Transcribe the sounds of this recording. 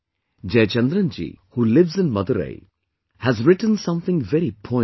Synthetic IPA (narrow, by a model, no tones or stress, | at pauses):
d͡ʒeːt͡ʃɛ̃nd̪ɾə̃nd͡ʒḭhuːlɪʋzɪ̃nmʌd̪əɾḛɪ | hæzɾɪʈə̃nsʌ̃mθɪ̃ŋvɛɾipʰɔ̃